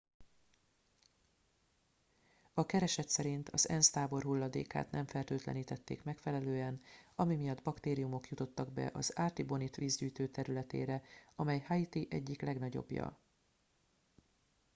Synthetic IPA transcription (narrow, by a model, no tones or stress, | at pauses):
ɒkɛɾɛʃɛt̪sɛɾint̪ʰɒzɛnst̪aːbo̞rɦulːɒd̪ḛːka̰ːt̪nɛɱfɛlt̪øːt̪lɛ̰niːt̪ɛt̪ːḛːkmɛkfɛlɛløːɛnɒmimijɒd̪bɒkt̪eːɾijumo̞kjut̪o̞t̪ːɒɡ̚bɛ̰ʔɒzaːt̪ibo̞nit̪ʋiːzɟyːjt̪øːt̪ɛɾylɛt̪ḛːɾɛɒmɛjhait̪iʔɛɟːiklɛɡnɒɟo̞̰bjɒ̰